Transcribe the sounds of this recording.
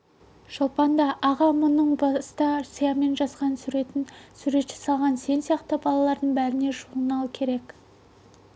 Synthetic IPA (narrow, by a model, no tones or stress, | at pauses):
ʃopɑnd̪ɑʔːʁɑmʊnəɴbɑst̪ɑsəjɑme̞nʒɑsqɑnsuɾesuɾe̞t̪ʃɪ̥sɑlˠʁɑnse̞nsijɑqt̪əbɑlˠɑlˠɑɾd̪əɴbæɾɪne̞ʒuʁənɑlˠkʲʰe̞ɾe̞k